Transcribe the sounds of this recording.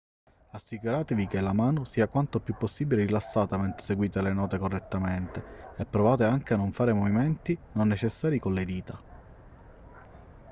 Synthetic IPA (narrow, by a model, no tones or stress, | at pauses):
asːikuɾaːt̪evikelamaːnosiːakwant̪opjupːosːiːbileɾilasːaːt̪amɛnt̪ɾe̥seɡwiːt̪elenɔːt̪ekorːet̪ːament̪eɛpːɾovaːt̪eaŋkeanːoɱfaːɾemoviment̪inonːet͡ʃesːaːɾikonled̪iːt̪a